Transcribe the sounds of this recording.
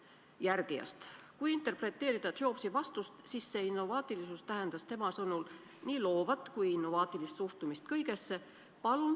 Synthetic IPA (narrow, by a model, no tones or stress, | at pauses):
jærɡ̥ijɑ̰st̪kujint̪e̞rpɾe̞t̪ˑːe̞ːɾid̪̥ɑt̪o̞ːpsivɑst̪ust̪sisːe̞inːo̞vɑːt̪ˑilisust̪æɦe̞nd̪̥ɑst̪e̞mɑsɤnul | niːlo̞ːvɑt̪ːˑkujinːo̞vɑːt̪ˑilist̪suht̪umist̪kɤjɡ̥e̞sːe̞ | pɑlun